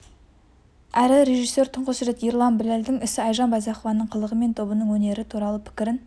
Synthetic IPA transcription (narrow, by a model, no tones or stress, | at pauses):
æɾɪɾe̞ʒijsːe̞ɾt̪ʰʊɴqəsɾe̞t̪iɾlˠɑnbɪleld̪ɪŋɪsɪɑjʒɑnbɑzɑχovɑnːəɴqʰəlˠəʁəme̞nt̪ʰo̞bənəɴwɵne̞ɾɪt̪ʰuɾɑlˠəpʰɪ̥kʲɪɾɪn